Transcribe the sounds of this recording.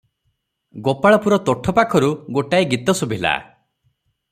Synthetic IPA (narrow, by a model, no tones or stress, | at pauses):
ɡopaɭɔpuɾɔt̪ɔʈʰɔpakʰɔɾuɡoʈaiɡit̪ɔsubʱila̰